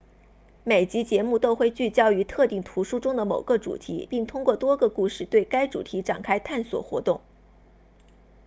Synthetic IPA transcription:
me˨˩ɪt͡ɕi˧˥t͡ɕjɛ˧˥mu˥˩t̪o˥ʊxwe˥˧ɪt͡ɕy˥˩t͡ɕjɑ˥ʊy˧˥t̪ʰɤ˥˧t̪i˥˩ŋt̪ʰu˧˥ʂu˥ʈ͡ʂʊ˥ŋd̪ə˨mo˨˩ʊɡə˥˧ʈ͡ʂṵ˨˩t̪ʰḭ˧˥pi˥˩ŋt̪ʰʊ˥ŋkwɔ˥˩t̪wɔ˥ɡə˧˨ku˥˧ʂɻ̩˥˧t̪we˥˩ɪka˥ɪʈ͡ʂṵ˨˩t̪ʰi˧˥ʈ͡ʂa̰˨˩ŋkʰa˥ɪt̪ʰa˥˩nswɔ̰˨˩xwɔ̰˧˥t̪ʊ˥˩ŋ

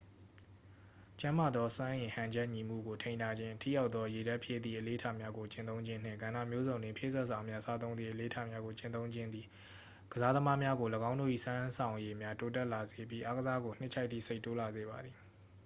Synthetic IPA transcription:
t͡ɕã˦ma˨d̪ðɔ˦swã˦ʔɪ̃˨hã˨ɲd͡ʑɛ˦ʔɲi˨m̥ṵ˦˨ɡo˨tʰẽ˨ɪ̃ntʰa˨d͡ʑɪ̃˦tʰḭ˦˨ja˦ʊt̪ːðɔ˦je˨da˦ʔpʰje˦˨d̪ðḭ˦˨ʔəle˨˦tʰa˦˨mja˦ɡo˨t͡ɕɪ̃˨t̪õ˦ʊ̃ɲd͡ʑɪ̃˦n̥ɪ̰̃˦˨ŋɡã˨na˦˨mjo˦zõ˨ʊ̃ndwɪ̃˨pʰjḛ˦˨zɛ˦ʔsa˨mja˦sa˦t̪̬õ˦ʊ̃nd̪i˦˨ʔəle˨tʰa˦˨mja˦ɡo˨t͡ɕɪ̃˨nt̪õ˦ʊ̃ɲd͡ʑɪ̃˦nd̪ði˨ | ɡ̥əza˦d̪ə˦ma˦mja˦ɡo˨ləɡã˦ʊ̃ndo̰˦˨ʔḭ˦˨sã˦sʰã˨ʊ̃je˨mja˦to˦t̬ɛ˦˨ʔla˨ze˨p̬ji˦ʔa˦ɡəza˦ɡo˨n̥ɪ˦ʔt͡ɕʰa˦ɪt̪ðḭ˦˨se˦ɪtːo˦la˨ze˨ba˨d̪ði˨

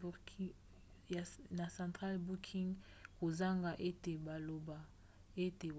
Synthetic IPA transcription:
na˨sã˨ntʁa˦lbu˦kʰi˦ŋɡ | ko˨za˦ŋɡa˨ʔe˦te˨ba˨lo˨ba˨ | e˦te˨

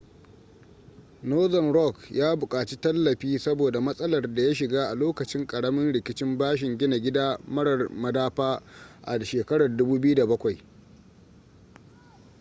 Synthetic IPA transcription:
noː˦zɐ˨nɾɔ˦kjaː˦bʊ˨kʼaː˨t͡ʃi˦tɐ˦lːɐ˨ɸiː˦sɐ˦boː˨da˨mɐ˦sʼɐ˦lɐ˨rda˨ja˦ʃɪ˨ɡaː˦ʔa˨loː˦kɐ˨t͡ʃɪ˦ŋkʼɐ˨ɽɐ˦mɪ˦nɽɪ˨kʲɪ˦t͡ʃɪ˦mbaː˦ʃɪ˨ŋɡʲɪ˦na˨ɡʲɪ˦daː˦mɐ˦ɽɐ˨rmɐ˨daː˦ɸaː˦ʔa̰˨ʃeː˨kɐ˦ɽɐ˨rdʊ˦buː˦bɪ˦ju˦da˨bɐ˦kʷa˨j

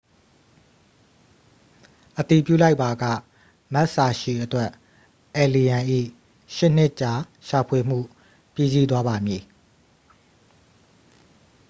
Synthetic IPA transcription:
ʔət̪i˨pjṵ˦˨la˦ɪpːa˨ɡä̰˦˨ | mɛ˦ʔsa˨ʃi˨ʔətwɛ˦ʔ | ʔɛ˨li˨jã˨ʔḭ˦˨ | ʃɪ˦ʔn̥ɪ˦ʔt͡ɕa˨ | ʃa˨pʰwe˨m̥ṵ˦˨ | pji˦˨zi˦t̪̬wa˦ba˨mji˨

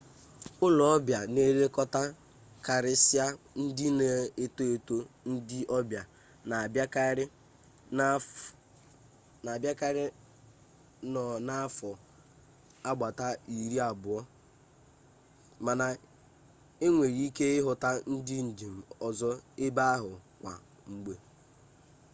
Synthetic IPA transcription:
ʊ˦lɔ˨ɔ˦bja˨ne˦ɾe˦kɔ˦ta˦ | ka˨ɾɪ˦sɪ˦a˦ | n̩˦dɪ˦ne˨e˦to˦e˨to˦n̩˦dɪ˦ʔɔ˦bja˨ | na˨ba˦ka˦ɾɪ˦ | na˨a˨bja˦ka˦ɾɪ˦ | nɔ˨na˦fɔ˨ | a˦ɡ͡ba˨ta˦i˨ɾi˦a˨bʊ˨ɔ˦ | ma˨na˨ | e˦ŋʷe˨ɾi˦ke˦ɪ˦ɦʊ˨ta˦n̩˦dɪ˦n̩˨di˨m̩˨ɔ˨zɔ˦e˦ba˦a˦ɦʊ˨kʷa̰˨ | ŋ͡m̩˦ɡ͡be˦

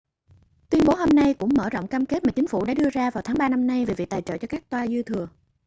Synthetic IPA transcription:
t̪wi˧ənɓo˨˦ɦo˧mna˧jkʊ̰˧˥ŋ͡mməː˧˩zo̰˧˨wŋ͡mkaː˧mke˦˥t̚maː˨˩t͡ɕi˨˦ŋ̟fṵ˧˩ɗa̰ː˧˥ɗɨ˧əzaː˧vaː˨˩wt̪ʰaː˨˦ŋɓaː˧na˧mna˧jve˨˩vḭ˨t̪aː˨˩jt͡ɕə̰ː˧˨˩t͡ɕɔ˧kaː˦˥k̚t̪waː˧zɨ˧t̪ʰɨ˨˩ə

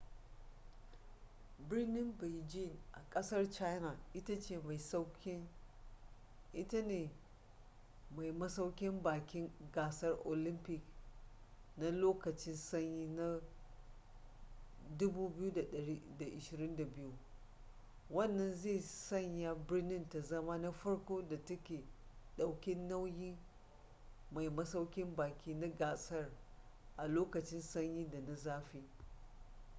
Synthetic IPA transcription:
bɪ˦rnɪ˦mbe˨d͡ʒi˦˨nʔa̰˨kʼɐ˦sɐ˦rt͡ʃa˦jna˨ʔɪ˦ta˦t͡ʃeː˦˨ma˨jsk | ʔɪ˦ta˦neː˨ | ma˨jmɐ˦sa˦wkʲɪ˦mbaː˨kʲɪ˦ŋɡaː˨sɐ˦rʔo˨lɪ˦mpɪ˨k | na˦loː˦kɐ˨t͡ʃɪ˦nsɐ˦ɲjiː˦na˦ | dʊ˦buː˦bɪ˦ju˦da˨ɗɐ˨ɾi˦da˨ʔɪ˨ʃɪ˨ɾɪ˦nda˨bɪ˦ju˦ | wɐ˦˨nːɐ˨nzeː˦˨sɐ˦˨ɲja˦bɪ˦nɪ˦nta˨zɐ˦ma˦na˦ɸɐ˦ɽkʷoː˦da˨tɐ˦kʲeː˨ɗa˨wkʲɪ˦nːa˦wjiː˦ | ma˨jmɐ˦sa˦wkʲɪ˦mbaː˨kʲiː˦na˦ɡaː˨sɐ˦r | ʔa˨loː˦kɐ˨t͡ʃɪ˦nsɐ˦ɲji˦da˨na˨zaː˦ɸi˦

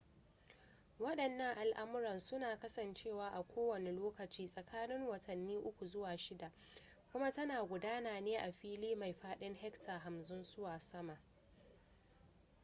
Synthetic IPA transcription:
wɐ˦ɗɐ˨nːɐ˦ŋʔa˨lʔa˦mʊ˦ɾɐ˨nsʊ˦naː˨kɐ˦sɐ˨nt͡ʃeː˦˨waː˦ʔa˨kʷoː˦wɐ˨ne˨loː˦kɐ˨t͡ʃiː˦sʼɐ˨kʰaː˦nɪ˦ŋwɐ˨tʰɐ˨nːiː˦ʔʊ˦kʷu˨zʊ˦waː˨ʃɪ˦da˨ʔ | kʷʊ˦ma˦tɐ˦naː˨ɡʷʊ˨daː˦naː˨neː˦ʔa˨ɸiː˦liː˦ma˨jɸaː˦ɗɪ˦ŋhɛ˦ktʰa˨ɦa˨mzʊ˦nzʊ˦waː˨sɐ˦ma˨ʔ

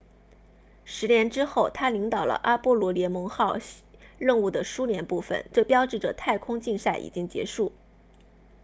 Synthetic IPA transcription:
ʂɻ̩˧˥njɛ˧˥nʈ͡ʂɻ̩˥xo˥˩ʊt̪ʰa˥li˧˥ŋt̪ɑ˨˩ʊlə̰˦ʔa˥pwɔ˥lwɔ˧˥ljɛ˧˥nmɤ˧˥ŋxɑ˥˧ʊɻə˥˧nu˥˩d̪ə˩ʂu˥ljɛ˧˥npu˥˩fə̰˨˩˦nʈ͡ʂɤ˥˩pjɑ˥ʊʈ͡ʂɻ̩˥˩ʈ͡ʂə̰˩t̪ʰa˥˩ɪkʰʊ˥ŋt͡ɕi˥˧nsa˥˩ɪʔḭ˨˩t͡ɕi˥ŋt͡ɕjɛ̰˧˥ʂu˥˩

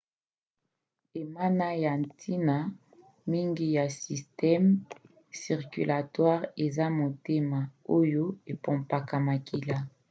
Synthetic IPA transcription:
e˨ma˦na˦ja˨ntʰi˦na˦ | mi˦ŋɡi˦ja˨si˨stɛ˦m | si˨ʁky˨lʔa˨twa˦ʁe˨za˦mo˨te˦ma˨o˦jo˦e˨pɔ̃˨mpa˨ka˨ma˨kʰi˨la˦

